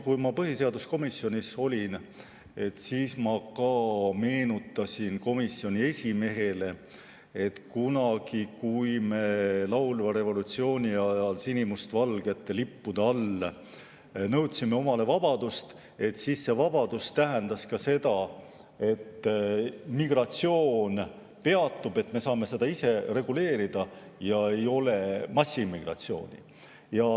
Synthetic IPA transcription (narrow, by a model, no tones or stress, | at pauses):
kujmɑpɤɦise̞ɑd̪usko̞misːjo̞nʲiso̞lʲin | e̞t̪siːsmɑkɑːme̞ːnut̪ːˑɑsʲinko̞misːio̞nʲie̞sʲime̞ɦe̞le̞ | e̞t̪kunɑɡ̥ikujme̞lɑwlvɑɾe̞vo̞lut̪sio̞ːnʲiɑjɑlsinʲimust̪vɑlɡ̥e̞t̪ːelipːud̪̥ɑɑlːe | nɤwt̪simːe̞o̞mɑle̞vɑb̥ɑd̪ust̪ | e̞t̪siːsːe̞vɑb̥ɑd̪̥ust̪æɦend̪̥ɑskɑse̞d̪̥ɑ | e̞t̪ːmiɡ̥rɑt̪sio̞ːn | pe̞ɑt̪ːub̥e̞t̪ːme̞sɑːme̞se̞d̪ɑise̞re̞ɡ̥ule̞ːɾid̪̥ɑ | jɑe̞jo̞le̞mɑsːimːiɡ̥rɑ̰t̪sio̞̰ːnʲḭ | jɑ